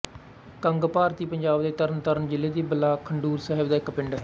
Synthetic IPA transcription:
kəŋɡpaːɾt̪iːpəɲd͡ʒaːbd̪eːt̪əɾənt̪əɾənd͡ʒɪlːeːd̪iːbəlaːkʰəɳɖuːɾsɛːɦəbd̪aːɪkːpɪɳɖɛ

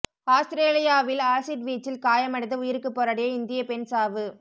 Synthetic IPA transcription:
aːst̪ɾeːlɪjaːʋɪlaːsɪʈʋiːt͡ʃːɪlkaːjɐmɐɽɪt̪ːɯʊjɪɾɯkːɯpːoːɾɐɽɐjɐɪnd̪ɪjɐpɛnsaːʋɯ

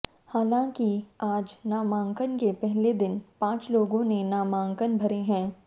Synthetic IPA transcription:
haːlãːkiaːd͡ʒnaːmãːŋkənkepɛɦled̪ɪnpãːt͡ʃloːɡõnenaːmãːŋkənbʱɐɾeɦɛ̃ː

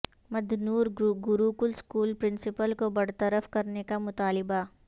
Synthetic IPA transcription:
mɐd̪ʱnuːɾɡʊɾuːkʊlskuːlpɾɪ̃nsɪpəlkobɐɽ̤t̪əɾəfkɐɾnekamʊt̪aːlɪba

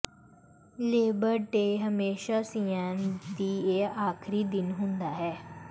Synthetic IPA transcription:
leːbəɾʈeɦəmeːʃasijãnd̪ieaːkʰɾiːd̪ɪnɦũnd̪aɦɛː

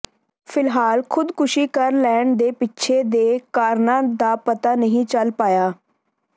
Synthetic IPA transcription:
pʰɪlɦaːlkʰʊd̪kʊʃiːkəɾlɛːɳd̪eːpɪtːʃʰeːd̪eːkaːɾnãːd̪aːpət̪aːnəɦĩːt͡ʃəlpaːjaː

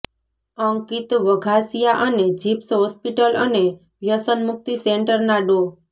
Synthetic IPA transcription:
əŋkit̪ʋəɡʱasijaʔəned͡ʒipsɦɔspiʈələne | ʋjəsənmʊk̚t̪iseɳʈəɾnaɖo

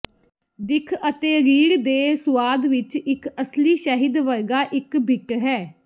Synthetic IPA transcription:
d̪ɪkʰət̪eːɾiːɾd̪eːsʊaːd̪ʋɪt͡ʃɪkəsliːʃəɦɪd̪ʋəɾɡaːʔɪkbʱɪʈɦɛː

